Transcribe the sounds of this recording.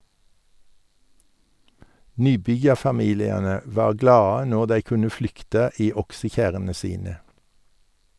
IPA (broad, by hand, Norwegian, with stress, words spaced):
ˈnyːˌbʏjɑfɑˌmiːlɪɑnə ˈʋɑːʁ ˈɡlɑːə ˈnoːʁ ˈdæɪ ˈkʉnə ˈflʏktə ˈiː ˈɔksəˌçæʁənə ˈsiːnə